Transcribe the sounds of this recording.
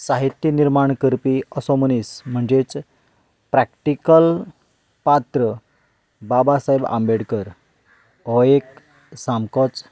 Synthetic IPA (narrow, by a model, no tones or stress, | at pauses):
saɦit̪jiniɾmaɳkəɾpiəsɔmənism̤əɳd͡zet͡s | pɾakʈikəl | pat̪ɾə | babasaɦebã̰mbeɽkəɾ | ɦɔek | samkɔt͡s